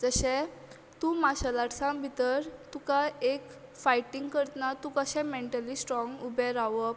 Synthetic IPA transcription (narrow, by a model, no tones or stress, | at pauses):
d͡zəɕɛ̃ | t̪ũmaɕalaʈsãbʱit̪əɾt̪ũkaek | fajʈiŋɡkəɾt̪nat̪ũkəɕɛ̃meɳʈəlisʈɾɔ̃ŋɡubɛɾaʋə